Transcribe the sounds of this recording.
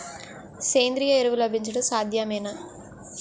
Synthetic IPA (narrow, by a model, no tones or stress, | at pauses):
seːnd̪ɪɾɪjɐɛɾɯʋɯlɐbɪɲd͡ʒɐɽɯsaːd̪ʱjaːmeːna